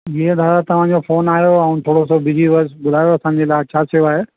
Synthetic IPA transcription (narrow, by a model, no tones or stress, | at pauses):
jeːd̪ʱaːɾat̪ɐʋ̤ãɲd͡ʑofoːnaːijoɛ̃ʊ̃nt̪ʰoːɽosobɪd͡ʑiʋɐsbʊd̪ʱaːjoɐsãːɲ̆d͡ʑelaːɪt͡ɕʰaːsɐjoaːɦeː